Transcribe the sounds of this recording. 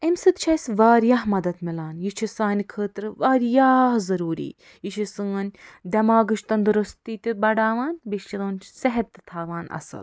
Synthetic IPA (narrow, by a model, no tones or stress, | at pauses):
emʲsɨt̪t͡ʃʰɐjsʋaːɾjaːɦmɐd̪ɐt̪milaːnjit͡ʃʰisaːnikʰəːt̪ɾɨʋaːɾjaːhzɐɾuːɾḭː | jit͡ʃʰisɨːɐnʲd̪ʲɐmaːɡɨʃt̪ɐnd̪ɨɾust̪iːt̪ibɐɖaːʋaːnʲbiʃt͡ʃʰiloːnʲt͡ʃsɛɦɐt̪ːɨ̥t̪ʰaːʋaːnɐ̰sɨ̰l